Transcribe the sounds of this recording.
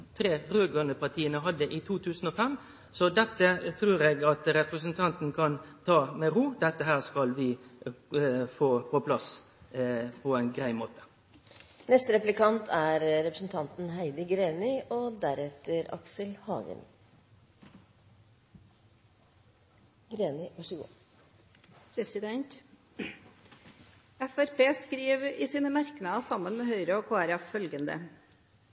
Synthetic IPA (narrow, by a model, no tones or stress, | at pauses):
t̪ʰɾeːʁøːɡœnəpɑt̪ʰiːənəɦɑd̪ːəʔiːt̪ʰuːt̪ʰʉːsn̩ɔːfɛm | sɔd̪ɛt̪ːət̪ʰɾʉːɾeːɡɑt̪ɾɛpɾəsən̩t̪ʰɑnt̪n̩kʰɑnt̪ʰɑːmɛɾuːd̪ɛt̪ːəɦæːʁskɑlʋɪ | foːpʰɔpʰlɑs | pʰɔæɪnɡɾæɪmoːt̪ə̥ | nɛst̪əɾɛplɪkɑnt̪ʰæɾɾɛpɾəsn̩t̪ʰɑnt̪n̩ɦæɪd̪əɡɾeːnɪʔɔd̪æɾɛt̪ːəɾɑ̰ksəlhɑ̰ːɡə̰n | ɡɾeːnɪʋɑʂəɡṵː | pʰɾɛsɪd̪ɛnt̪ | ɛfæɾpʰeːskɾiːʋɪsiːnəmæɾknɑsɑmːənmɛhœʏɾəɔkʰoːæɾɛffœlɡənd̪ə̰